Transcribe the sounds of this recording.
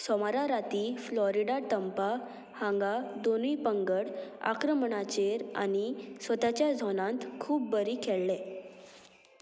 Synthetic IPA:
sɔmaɾaɾat̪iːflɔɾiɽat̪əmpa | hãŋɡad̪onipəŋɡəɽa̰kɾəmɳat͡ɕeɾa̰nisʋət̪at͡ɕjad͡zʱɔnãnt̪kʰuːp̚bəɾiːkʰeɭːɛ̃

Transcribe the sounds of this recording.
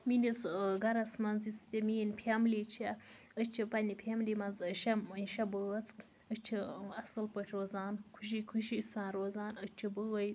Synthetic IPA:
minisɡɐɾɐsmɐnzist̪ʲemiːnpʰʲemlʲit͡ʃʰa | ət͡ʃʰipɐnʲipʰʲemlʲimɐnzʃɐiʃɐbəɐt͡sk | ət͡ʃʰiɐsɨlpəʈʲʰɾoːzaːnkʰuʃ̬ikʰuʃisaːnɾoːzaːnət͡ʃʰibəɣəj

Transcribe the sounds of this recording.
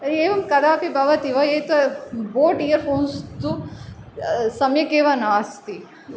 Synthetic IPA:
eːʋɐmkɐd̪ʱaːpibʱɐʋɐt̪iʋɐeːt̪ʋɐboːʈijɐɾfʰoːnst̪u | sɐmjɐkeːʋɐnaːst̪i

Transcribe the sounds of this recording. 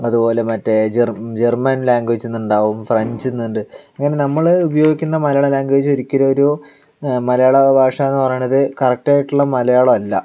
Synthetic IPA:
ɐðupo̞ːle̞mɐtːed͡ʑerd͡ʑermɐnlaːŋɡed͡ʑt͡ɕːunːuɳɖaːʋumfrɐɲd͡ʑinːuɳɖɨɐŋːɐne̞nɐmːɐɭubɐjo̞ːɡikʲːunːɐmɐlɐjaːɭɐlaːŋɡed͡ʑo̞ɾikʲːuɾɐoɾu | mɐlɐjaːɭɐbʱaːʂɐenːɨpɐrɐjuɳɐðɨkɐrɐk̚ʈaːjiʈːuɭːɐmɐlɐjaːɭɐmɐlːɐ

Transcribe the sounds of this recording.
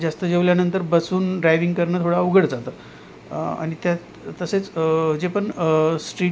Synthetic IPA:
d͡zast̪əd͡ʑeʋljanənt̪əɾbəsuːnɖɾajʋiŋɡkəɾɳəːt̪ʰoɽauɡəɽd͡zat̪ə | a̰ɽ̃it̪ja | t̪əset͡sd͡zepəɳsʈɾiː

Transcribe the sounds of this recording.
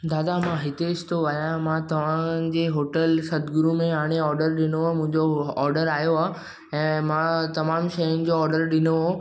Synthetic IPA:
d̪aːd̪amãɦɪt̪eɪst̪ʰoʋajãmãt̪ɐʋ̤ãd͡ʑeːɦoːʈəlsɐt̪ɡʊɾumẽɦaːɽ̃eɔːɾɖəɾɗɪnõmʊ̃ɦɪ̃ɲd͡ʑoɔːɾɖəɾaːjoaː | ɛ̃ːmãt̪ɐmaːmʃɐjʊnɪ̆d͡ʑoɔːɾɖəɾɗɪnoɦo

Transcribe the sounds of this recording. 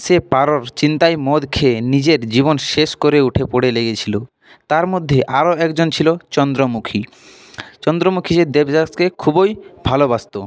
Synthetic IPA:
sepaɾoɾt͡ɕint̪ajmɔd̪kʰenid͡ʑeɾd͡ʑibonʃeʃkoɾeuʈʰepoɽeleɡet͡ɕʰilo | t̪aɾmod̪ʱːeʔaɾoɛkd͡ʑont͡ɕʰilot͡ɕɔnd̪ɾomukʰi | t͡ɕɔnd̪ɾomukʰied̪ebd͡ʑaskekʰubojbʱalobast̪o

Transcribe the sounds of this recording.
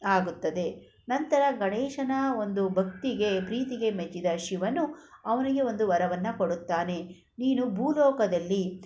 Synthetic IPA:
aːɡut̪ːɐd̪e̞ | nɐnt̪ɐɾɐɡɐɳɛːʂɐnɐo̞nd̪ubʱɐk̚t̪iɡe̞pɾiːt̪iɡe̞met͡ʃːid̪ɐʃiʋɐnːuɐʋɐniɡe̞o̞nd̪uʋɐɾɐʋɐnːɐkoɽut̪ːaːne̞ | niːnubʱuːlɔːkɐd̪ɐlːi

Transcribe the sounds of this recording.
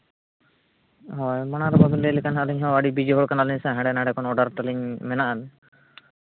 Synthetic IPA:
ɦɔjmanaɾɔbabinlɛlikanɦaʔliɲɦɔ̃aɖibid͡ʒiɦɔɭkanaliɲsaɦãɖɛnaɽɛkɔnɔɖaɾʈ̪aliɲmɛnaʔan

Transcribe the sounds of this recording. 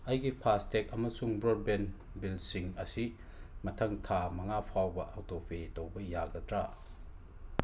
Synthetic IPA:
ɐjɡipʰastek̚ɐmɐsuŋbɾod̚ben | bilsiŋɐsi | mɐtʰɐŋtʰamɐŋapʰawbɐʔawtopʰetɐwbɐjaɡɐtɾa

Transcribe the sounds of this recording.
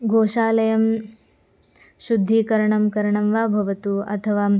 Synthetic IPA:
ɡʱoːʃaːlɐjɐm | ʃud̪ʱːikɐɾɐɳɐmkɐɾɐɳɐmʋaːbʱɐʋɐt̪uɐ̰t̪ʰɐʋaː

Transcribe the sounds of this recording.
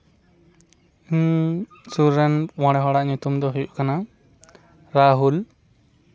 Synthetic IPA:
suɾɛnwɔ̃ɽ̃ɛɦɔɽaʔɲut̪umd̪ɔɦujuʔkana | ɾaɦul

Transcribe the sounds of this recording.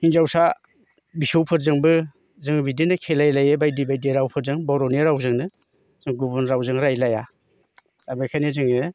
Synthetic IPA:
hiŋzawsa | bisowpʰɯɾzɯŋbɯ | zɯŋbidinɯkʰelajlajɯbajdibajdiɾawpʰɯɾzɯŋbɔɾɔneɾawzɯŋnɯ | z̥ɯŋɡubunɾawzɯŋɾajlaja | abajkʰajnezɯŋɯ

